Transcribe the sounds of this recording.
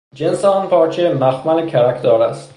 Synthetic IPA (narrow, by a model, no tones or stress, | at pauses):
d͡ʒensɛɒnpʰɒːt͡ʃʰemæxmænekʲʰæɾækʰt̪ʰɒːɾæst̪